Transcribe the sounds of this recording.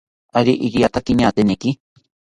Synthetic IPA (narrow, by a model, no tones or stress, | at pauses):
aɾiʔiɡijat̪akiɲaːt̪eneki